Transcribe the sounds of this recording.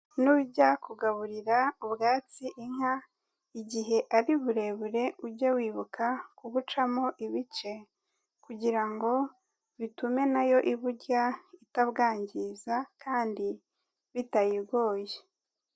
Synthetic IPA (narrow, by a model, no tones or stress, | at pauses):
nuβuɟakuɡaβuɾiɾaubɡaːt͡siʔiŋ̥ha | iɟiɦe̞ʔaɾiβuɾe̞βuɾe̞uɾɟawiːβukakuβut͡ʃamo̞ʔiβit͡ʃe̞ | kuɟiɾaŋɡo̞ | βitume̞najo̞ʔiβuɾɟaitaβɡaːɲɟizakʰaːndi | βitajiɾɡo̞ːje